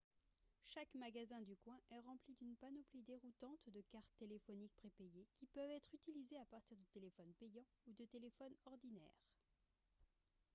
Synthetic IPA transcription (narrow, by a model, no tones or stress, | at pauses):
ʃakmaɡazɛ̃d̪ykwɛ̃ʔɛʁɑ̃plid̪ynpanɔplid̪eʁut̪ɑ̃t̪d̪əkaʁt̪ːelefɔnik̚pχepejekʲipœvɛt̪χyt̪ilizeapaʁt̪iʁd̪ət̪elefɔnpejɑ̃ | ud̪ət̪elefɔnɔʁd̪inɛ̰ːʁ